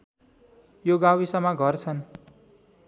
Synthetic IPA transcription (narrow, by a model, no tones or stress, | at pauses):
joɡawisʌmʌɡʱʌrt͡sʰʌn